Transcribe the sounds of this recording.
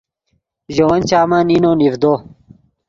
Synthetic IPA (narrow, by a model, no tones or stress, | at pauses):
ʑowɐnt͡ɕaːmɐninonivd̪oː